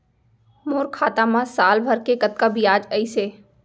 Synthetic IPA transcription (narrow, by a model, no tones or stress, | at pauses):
moːɾkʰaːt̪amãsaːlbʱɐɾkekɐt̪̚kabʱijaːd͡ʒəiseː